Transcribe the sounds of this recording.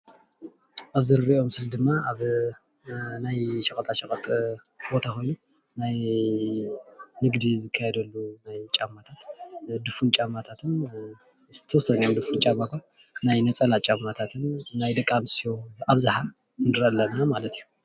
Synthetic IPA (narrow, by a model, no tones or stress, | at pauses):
ʔaβzɨɾɨɾiʔo̞msɨld̪ɨmːaaβ | najʃɐkʼɐt̪ʼaʃɐkʼɐt̪ʼ | bo̞t̪ʰakʰo̞jnu | naj | nɨɡd̪izɨkʰːajɛd̪ɐlːunajt͡ʃʼamːat̪ʰat̪d̪ɨfunt͡ʃʼamːat̪ʰat̪ʰɨn | zɨt̪ʰɐwɔsːɐnjomd̪ɨfunt͡ʃʼamːakʰon | najnɐt͡sʼɐlat͡ʃʼamːat̪ʰat̪ʰɨnːajd̪ɨkʼːansijoaβzaħa | nɨɾɐlːɐnamalɐt̪ijːu